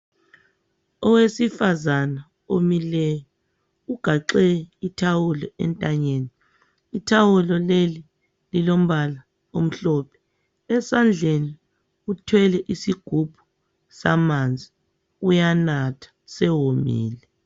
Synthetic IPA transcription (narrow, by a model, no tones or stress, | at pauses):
ɔwesifazana | omilɛjɔ | uɡ̥ʱaǁɛitʰawulɔɛ̰ntʼaɲeːni | itʰawulɔleli | lilom̩βala | om̩ɬɔpʰɛ̥ | ɛsand͡ɮʱeni | utʰwɛlɛʔisiɡ̥ʱub̥ʱu | samand͡zʱi | ujanatʰḁsɛwomḭːlɛ